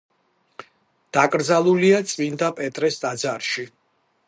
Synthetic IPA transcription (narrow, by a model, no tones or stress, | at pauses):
d̪̥akʼɾd̪zalˠuliat̪sʼmind̪apʼɛt̪ʼɾɛsd̪ʼad̪zaɾʃi